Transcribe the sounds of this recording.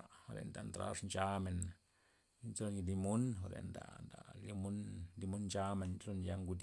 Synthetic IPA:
ho˧˨ɾḛ˨nd̪a˨nt̪ɾa̰˦ʂnt͡ʃa˦me˨n | nt͡slo˧nji˧d̪i˧mu˦nxo˧ɾḛ˨nd̪a̰˨nd̪a̰˨li˧mu˦nd̪i˧mu˦nnd͡ʒa˦me˧˨nlo˧nja˧ŋɡu˧d̪

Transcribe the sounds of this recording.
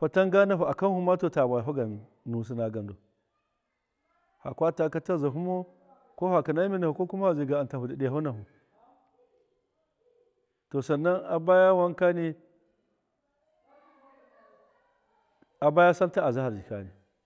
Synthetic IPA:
pa˨ta˦ŋɡa˦na˨ɦu˨a˨ka˦n˦hu˦ma˦to˨ta˨ba˨jɦu˦ɡa˨ | nu˨s̬i˦na˨ɡa˨ndo˨ | ha̰˨kʷa˦ta˦ka˦ta˦za˨ɦu˦mo˦ | ko˦ha˨ka˨na˦mi˦na˨hu˨ko˦ku˦ma˦ha˨zi˨ɡa˨a˨nta˨hu˨da˨ɗi˨ha˦na˨ɦu˨ | to˨sa˨nːa˦na˨ba˦ja˦wa˦ŋka˦ni˦ | a˨ba˦ja˦sa˦lta˦a˨za˦ha˨ɾd͡ʒi˨ka̰˦ni˨

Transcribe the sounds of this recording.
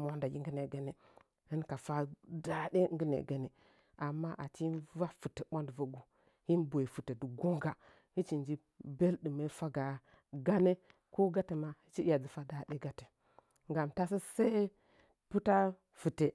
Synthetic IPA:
m˨o˦nda˨ɡʲi˦ŋ˦ɡə˦ne˨ɡa˨ne˨ | hi˦nka˨fa˦da˦ɗe˦ŋɡə˦nḛ˨ɡa˨ne˨ | ʔa˨mːa˦ʔa˨t͡ʃi˦nva˦fɨ˨te˨ɓo˦ndva˨ɡu˦ | hi˦nbo˨e˨fɨ˨te˨du˨ɡo˦ŋɡa˨ | hi˦t͡ʃi˨nd͡ʒi˦ | be˦lɗɨ˨me˦fa˦ɡa˨ | ɡa˦ne˦ | ko˦ɡa˦te˨ma˦hi˦t͡ʃi˦ja˨d͡zi˨fa˦da˨de˦ɡa˦te̥˨ | ŋɡa˨mta˦s̬ə˦sa˦ | pu˦ta˦ | fɨ˨te˨

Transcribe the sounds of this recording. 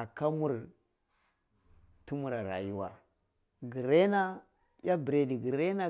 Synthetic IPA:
a˨ka˦mu˦ɾ | tu˦mu˨ɾa˨ɾa̰˨ju˦wa̰˨ | ɡi˨ɾe˦na˦ | ja˦bi˨ɾe˨di˨ɡi˨ɾe˦na˦

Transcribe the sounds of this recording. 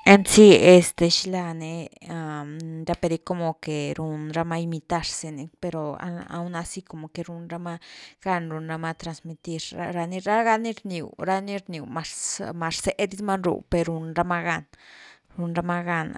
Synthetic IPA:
e˧nsi˦e˧st̪e˧ʃi˦la˧ne˧ | a˧˨ɾa˦pe˧ɾi˧˦ko˧mo˨ke˨ɾu˧nɾa˧ma˧i˧mi˧t̪a˧ɾse˧ne˧pe˧ɾo˨a̰˧a̰˧wna˧si˦ko˧mo˨ke˧ɾu˧nɾa˧ma˦˧ɡ̥a˧nɾu˧nɾa˧ma˧t̪ɾa˧nsmi˧t̪i˧ɾa̰˧ɾa˧ni˧ɾa˦ɡa˧˦ni˦ɾni˨ɾa˦ni˦ɾni˨wma˧ɾma˧ɾse˧ʔd̪i˦sma˦nɾṵ˨pe˧ɾu˧nɾa˧ma˧ɡa˦˧n | ɾu˧nɾa˧ma˦ɡa˧na̰˧

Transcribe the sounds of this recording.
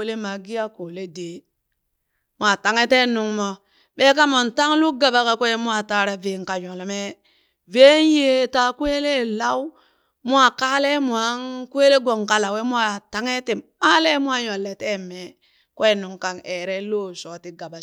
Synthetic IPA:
le˦ma˨ɡi˦ja˦ko˨le˦de˨ | mu˦a˨ta˨ŋe˦te˦nu˨ŋmo˨ | ɓe˦k̬a˦mo˨nta˦ŋlu˦ɡa˨ba˨ka˨kʷe˦mu˦a˨ta˦ɾa˨ve˨ŋka˨jo˨lme˦ | ve˦n˦je˦ta˦kwe˦le˦˨la˦w | mu˦a˨ka˦le˦mu˨a˨˦ŋkwe˦le˦ɡo˨ŋka˦la˨we˦mu˦a˨ta˦ŋe˦te˨ma˦le˦mu˦a˦jo˨lːe˨te˦me˨ | kwe˦˨nu˨ŋka˨ne˨ɾe˦lo˦so˨ti˦ɡa˨ba˨

